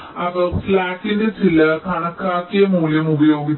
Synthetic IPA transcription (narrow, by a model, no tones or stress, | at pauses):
ɐpɐflaːkːindet͡ɕilɐkʰɐɳɐkːaːkːijɐmuːljɐmubɐjoːɡi